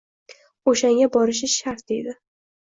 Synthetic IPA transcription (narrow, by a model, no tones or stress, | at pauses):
oʃaŋɡʲabɒɾɪʃ̬ɪʃaɾt̪̚d̪ejd̪ɪ